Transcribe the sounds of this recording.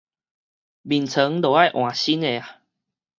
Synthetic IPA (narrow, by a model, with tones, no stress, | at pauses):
bi˨˩nt͡sʰə˨˦ŋlo˨˩a˥˧jʔw̃ã˨˩ɕi˦ne˨a˨